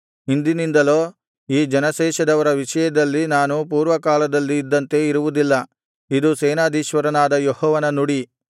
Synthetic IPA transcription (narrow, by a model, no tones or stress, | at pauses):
ind̪inind̪ɐlo̞ː | iːd͡ʒɐnɐʃɛːʃɐd̪ɐʋɐɾɐʋiʃɐjɐd̪ɐlːinaːnupuːɾʋɐkaːlɐd̪ɐlːiːd̪ːɐnt̪e̞iɾuʋud̪ilːɐ | id̪usɛːnaːd̪ʱiːʃʋɐɾɐnaːd̪ɐjɔhɔːʋɐnɐnuɽi